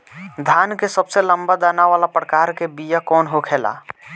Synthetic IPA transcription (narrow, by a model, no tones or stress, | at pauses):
d̪ʱankesəbseləmbad̪anaʋalapɾəkaɾkebijakɔːnɦokʰela̰